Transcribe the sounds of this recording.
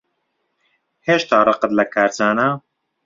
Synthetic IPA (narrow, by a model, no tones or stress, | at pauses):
heːʃt̪aːrˤɨqət̪lɐkʰaːɾt͡saːna